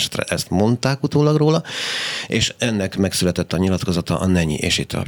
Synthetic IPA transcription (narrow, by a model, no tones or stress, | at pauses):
ʃɛ̥t̪rɛ̰ʔɛst̪mo̞nt̪aːkut̪oːlɒɡroːlɒ | eːʃɛnːɛkmɛksylɛt̪ɛt̪ːɒɲilɒt̪ko̞zɒt̪ɒ̰ʔɒnɛɲḭʔeːʃit̪ʰːɒ̰